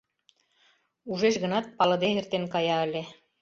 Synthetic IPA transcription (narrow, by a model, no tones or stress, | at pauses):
uʒeʃɣɤ̆nɑt̪̚pɑlɤ̆d̪eert̪enkɑjɑə̆lʲe